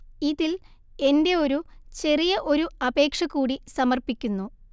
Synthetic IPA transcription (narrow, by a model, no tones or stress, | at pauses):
iðil | e̞nde̞o̞ɾut͡ɕe̞rijɐʔo̞ɾuɐbe̞ːkʂɐɣuːɽisɐmɐrpikʲːunːu